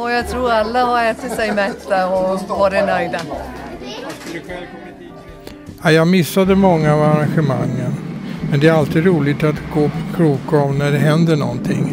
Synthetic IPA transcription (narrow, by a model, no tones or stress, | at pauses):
ɔjɑːɡt̪ʰɾuːɾalːahɑɾɛːt̪ət̪sɛjmɛt̪d̪aɾɔvɑdɛnœʏd̪a | ajɑːɡmɪsːad̪əmɔŋːaːvaɾanɧəma̰ŋːənmɛnd̪ɛæɾalt̪iːd̪ɾuːlɪɡt̪at̪ɡoːpʰɔkʰɾuːkɔmnæɖɛɦɛnd̪əɳɔ̰nt̪ʰɪ̰ŋ